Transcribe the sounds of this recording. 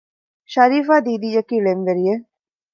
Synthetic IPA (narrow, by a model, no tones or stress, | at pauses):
ʃɐɾiːfaːd̪iːd̪ijɐkiːlemʋeɾije